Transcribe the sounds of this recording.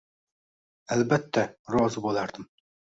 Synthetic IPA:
ælbæt̪ʰːæɾɒzɨbolˠɑɾd̪ɨm

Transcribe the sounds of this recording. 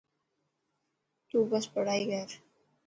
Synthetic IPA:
t̪uːbəspəɽ̤aːiɡəɾ

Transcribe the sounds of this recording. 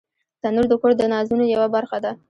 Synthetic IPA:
t̪anuɾd̪əkoɾd̪ənɑzunojawabaɾxad̪a

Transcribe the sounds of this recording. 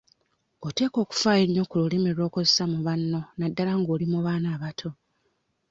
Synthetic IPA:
ote̞ːko̞ːku̥faeɲːo̞kululemeɾo̞ːkozesamuβanːo̞nadːalaŋɡoːlimuβaːnaːβatʰo̞

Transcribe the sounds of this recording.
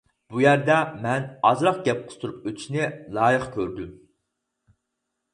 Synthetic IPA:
b̥ujæɾd̪ɛmɛnɑzɾɑq̚ɡʲɛp̚qʰə̥st̪ʰuɾup̚øt̪ʰʃnɪlˠɑːjəqkʲʰøɾd̪ym

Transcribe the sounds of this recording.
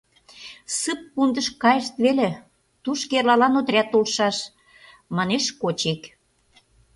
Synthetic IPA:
sɨp̚ːund̪ə̆ʃkɑjəʃt̪βele | t̪uʃkerlɑlɑnot̪ɾʲæt̪olʃɑʃ | mɑneʃkot͡ɕek

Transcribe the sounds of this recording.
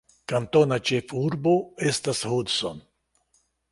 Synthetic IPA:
kant̪onat͡ʃefuɾboest̪ashud̪son

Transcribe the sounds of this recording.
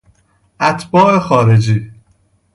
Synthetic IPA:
ʔæt̪ʰbɒːʔexɒːɾed͡ʒiː

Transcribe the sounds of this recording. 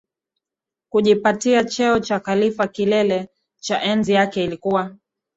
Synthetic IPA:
kuʄipatiat͡ʃɛɔt͡ʃakalifakilɛlɛ | t͡ʃaʔɛnzijakɛilikuwa

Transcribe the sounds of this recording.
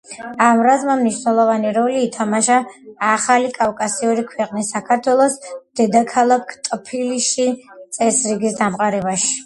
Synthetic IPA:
amɾazmamniʃwnɛlˠɔvaniɾɔliːt̪ʰamaʃaːχalikʼafkʼasiuɾikʰwɛqʼnisːakʰaɾt̪ʰwɛlˠɔsd̪̥ɛd̪akʰalˠakʰt̪ʼpʰiliʃit̪sʼɛsɾiɡisd̪amqʼaɾɛbaʃi̥

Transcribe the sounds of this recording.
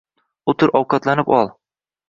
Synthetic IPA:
ʊt̪ʰʊɾɒwqʰɑt̪lanɪpɒlˠ

